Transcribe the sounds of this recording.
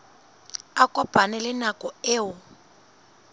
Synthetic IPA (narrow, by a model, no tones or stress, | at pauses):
akʼɔpʼanɪlɪnakʼɔɪːʊ